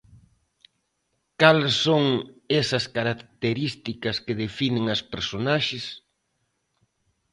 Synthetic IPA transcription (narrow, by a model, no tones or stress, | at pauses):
kalsːoŋɛsɐskaɾakt̪eɾist̪ikɐskeðefinɪ̃ŋɐspeɾsonaʃɪs